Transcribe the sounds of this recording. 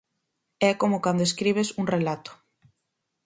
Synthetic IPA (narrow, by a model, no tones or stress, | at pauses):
ɛkomʊkand̪oeskɾiβ̞esuŋrelat̪ʊ̥